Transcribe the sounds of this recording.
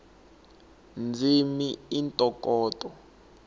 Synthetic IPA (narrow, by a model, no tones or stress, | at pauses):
nd͡zʱimiintʼɔkʼɔːtʼɔ